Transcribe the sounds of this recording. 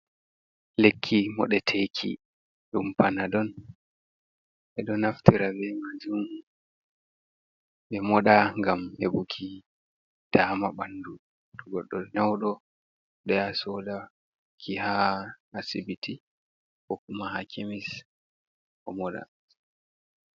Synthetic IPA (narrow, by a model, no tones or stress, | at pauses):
lekʰːimɔ̰ɗɛtʰekʰḭ | ɗumpanadɔn | ʔɛɗɔnaftiɾabɛmad͡ʒum | ɓɛmɔɗaŋɡamhḛbukʰi | d̥aːmaɓanːdu | tɔɡɔɗːɔnawɗɔ | ɗɛasɔda | kʰiha | asibitʰi | kɔkumahakʰimis | kɔmɔɗa̰